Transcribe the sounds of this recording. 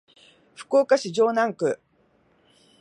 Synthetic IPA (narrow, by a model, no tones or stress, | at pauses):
ɸɯ̟̥koːkaɕiʑoːnãŋkɯ̟